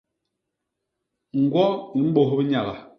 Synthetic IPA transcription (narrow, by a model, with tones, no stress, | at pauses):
ŋ̩˨ɡwɔ˦ni˨m̩˦bo˨ɦbi˦ɲa˨ɣa˨